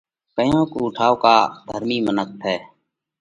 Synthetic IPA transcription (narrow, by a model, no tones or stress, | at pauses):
kəjãːkuːʊʈʰaːoka̰ːd̪ʱəɾmiːmənək̚t̪ʰɛː